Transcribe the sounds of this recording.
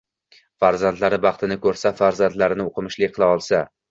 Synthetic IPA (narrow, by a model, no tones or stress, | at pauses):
faɾzant̪laɾɪbɑχt̪ʰɪnɪkʰɵɾsafaɾzant̪laɾɪnɪoqʰɨmɪʃlɪkʲqʰɨlˠaɒlˠsa